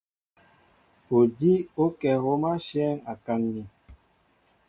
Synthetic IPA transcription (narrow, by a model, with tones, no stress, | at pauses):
o˨di˦o˦kɛ˨ɣo˦ma˦ʃɛ˦ŋa˨ka˦ŋni˨